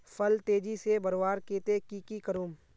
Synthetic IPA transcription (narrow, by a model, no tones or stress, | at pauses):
fʰəlt̪eːd͡ʒisebɐɾwaːɾkeːt̪ekikikəɾuːm